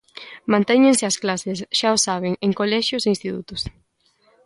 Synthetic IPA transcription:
mãnt̪ɛɲẽŋsɪasklasɪsʃaosaβ̞eŋeŋkolɛʃjʊseĩnst̪it̪ṵt̪ʊs

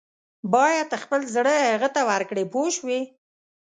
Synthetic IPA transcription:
bɑjad̪əxpəlzɽəaɣət̪awaɾkɽepoʃwi

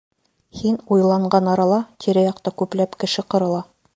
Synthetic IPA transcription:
hinujlˠɑɴɢɑnɑɾɑlˠɑt̪ʰiɾɘjɑq̚t̪ɑkʉplæpkɘ̆ʃɘqɤ̆ɾɤ̆lˠɑ

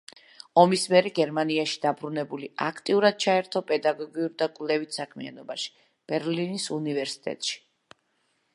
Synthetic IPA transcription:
ɔmismiɛɾɛɡɛɾmaniaʃi̥d̪abɾunɛbulia̰kʰt̪ʼiuɾad̪̥̚t͡ʃʰaɛɾt̪ʰɔpʼɛd̪aɡɔɡiuɾd̪akʼvlɛvit̪ʰsakʰmḭa̰nɔbaʃi̥ | b̥ɛɾlinisunivɛɾsi̥t̪ʼɛ̰t̪ʼʃi̥

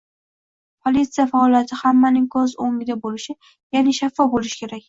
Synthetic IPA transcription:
pʰolit̪sɨjafaɒlˠijat̪ʰɪhamːanɪŋkʰɒzoŋʲɪd̪abolɪʃɪ | janɪʃafːɒbolɪʃɪ̥kʲe̞ɾakʲ

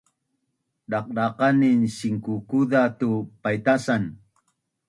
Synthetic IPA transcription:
ɖaq̚ɖaqaninɕiŋkukudat̪upajt̪asan

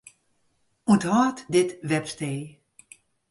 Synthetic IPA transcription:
uthaːtdɪtʋɛpsteː

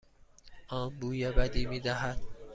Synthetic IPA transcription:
ʔɒːnbuːjebæd̪iːmiːd̪æɦæd̪̥

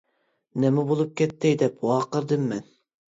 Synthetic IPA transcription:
nɛmɪbolˠup̚kʲɛt̪ːɪd̪ɛpwɑːqəɾd̪ɨmːɛn

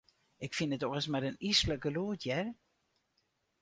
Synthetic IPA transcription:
ɪkfinətɔɣəsmɛdənisləkəluːtjɛr

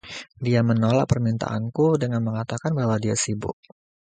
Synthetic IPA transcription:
diamənola̰k̚pərmint̪a̰ʔa̰nkudəŋanməŋat̪akanbahwadiasibʊ̰ʔ̚

